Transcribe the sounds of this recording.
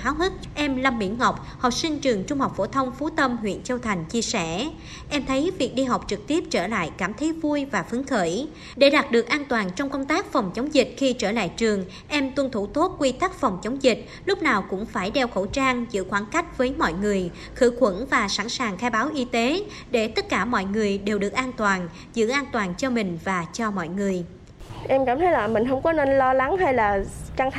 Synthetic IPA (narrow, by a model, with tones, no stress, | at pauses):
xaː˨˦wɦə˦˥t̚ʔɛ˧mlə˧mːḭ˧˩nŋɔ˨˩wk͡p̚ | hɔ˨˩sï˧ŋ̟t͡ɕɨ˨˩əŋt͡ɕʊ˧ŋ͡mha˨˩wk͡p̚fo˧˩t̪ʰə˧wŋ͡mfu˨˦t̪ə˧mɦwḭ˧˨ənt͡ɕi˧wt̪ʰa˨˩jŋ̟t͡ɕi˧əsɛ˧˩ | ʔɛ˧mt̪ʰə˨˦jvi˨˩ək̚ɗi˧ɦa˨˩wk͡p̚t͡ɕɨ˨˩k̚t̪i˦˥əp̚t͡ɕəː˧˩la̰ː˧˨jkaː˧˩mt̪ʰe˨˦vu˧jvaː˨˩fɨ˨˦əŋxəː˧˩j | ɗe˧˩ɗaː˨˩t̚ɗɨ˨˩ək̚ʔaː˧nt̪waː˨˩nt͡ɕɔ˧wŋ͡mkə˧wŋ͡mt̪aː˦˥k̚fɔ˨˩wŋ͡mt͡ɕə˨˦wŋ͡mzï˨˩k̟̚xi˧t͡ɕəː˧˩la̰ː˧˨jt͡ɕɨ˨˩əŋ | ʔɛ˧mt̪wə˧˩nt̪ʰu˧˩t̪o˦˥t̚kwi˧t̪a˦˥k̚fɔ˨˩wŋ͡mt͡ɕə˨˦wŋ͡mzï˨˩k̟̚ | lʊ˦˥p̚naː˨˩wkʊ̰˧˥ŋ͡mfaː˧˩jɗɛ˧wxo̰˧˩t͡ɕaː˧ŋzɨ̰˧˥xwaː˧˦nka˦˥jk̟̚vəː˨˦jmɔ̰˧˨jŋɨ˨˩əj | xɨ̰˧˥kwə̰˧˥nvaː˨˩sa˧˥nsaː˨˩ŋxaː˧jɓaː˨˦wʔi˧t̪e˨˦ | ɗe˧˩t̪ə˦˥t̚kaː˧˩mɔ̰˧˨jŋɨ˨˩əjɗe˨˩wɗɨ˨˩ək̚ʔaː˧nt̪waː˨˩n | zɨ̰˧˥ʔaː˧nt̪waː˨˩nt͡ɕɔ˧mï˨˩ŋ̟vaː˨˩t͡ɕɔ˧mɔ̰˧˨jŋɨ˨˩əj | ʔɛ˧mka̰ː˧˩mt̪ʰə˨˦jlaː˨˩mï˨˩ŋ̟ɦə˧wŋ͡mkɔ˨˦ne˧nlɔ˧la˨˦ŋha˧jlaː˨˩ka˧ŋ